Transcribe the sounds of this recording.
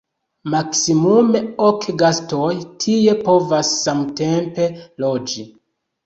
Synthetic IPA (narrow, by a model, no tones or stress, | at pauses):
maksimume̞okɡastojtʰie̞po̞vasːamte̞mpe̞lo̞d͡ʒi